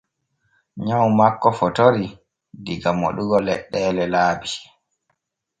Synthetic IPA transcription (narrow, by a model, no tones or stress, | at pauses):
ɲawmakːɔfɔtoɾi | diɡamo̰ɗuɡɔlɛ̰ɗːɛːlɛlaːbi